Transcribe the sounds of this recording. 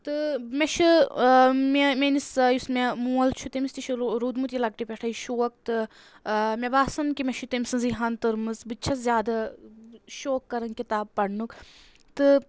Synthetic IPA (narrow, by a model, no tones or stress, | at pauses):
t̪ɨmeʃu | memenisjusmemuɐlt͡ʃʰut̪emist̪iʃuɾuːd̪mut̪jilɐk̚ʈipʲeʈʰɐjʃoːɐk̚t̪ɨ | mʲebaːsɐnkimʲeʃut̪emʲsɨnziɦɐnt̪ɨɾmɨzbɨt͡ʃʰɐzjaːd̪ɐ | ʃoːkːɐɾɐnkit̪aːb̚pɐɽnuk | t̪ɨ